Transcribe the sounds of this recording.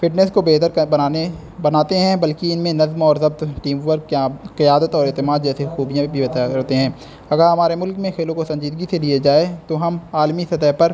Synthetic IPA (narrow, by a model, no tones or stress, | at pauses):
fɪʈnɛskobeːt̪əɾbaːne | bɐnaːt̪eɦɛ̃bɐlkiɪnmẽnɐzmɔːɾzɐb̚t̪ʈiːmwəɾɡkjakɐjaːd̪ət̪ɔːɾeːt̪ɪmaːd̪d͡ʒɛːsexuːbijãbʱit̪ːt̪eɦɛ̃ː | ɐɡəɾɦɐmaːɾemʊlkmẽxeːlõkosɐ̃ɲd͡ʒiːd̪ɡiselied͡ʒaːet̪oɦɐmaːlmisɐt̪əɦpɐɾ